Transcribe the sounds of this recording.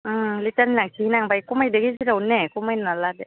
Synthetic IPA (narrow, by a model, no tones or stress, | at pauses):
ʔɯlitanlaŋsʰinaŋbajkumajdeɡisiɾawnɛkumajnaladɛ